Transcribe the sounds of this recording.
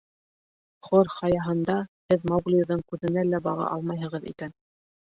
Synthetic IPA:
χoɾχɑjɑɦɤ̆nd̪ɑhɘðmɑɡlʲiðɤɴkʉðɘ̆nælæbɑʁɑ̰ʔɑ̰lˠmɑjɦɤ̆ʁɤðḭkæn

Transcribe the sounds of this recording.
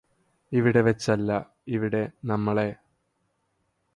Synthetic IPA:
iʋiɽe̞ʋɐt͡ɕːɐlːɐ | iʋiɽe̞nɐmːɐɭe̞

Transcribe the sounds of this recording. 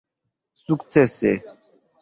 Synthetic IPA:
sukt͡sɛsɛ

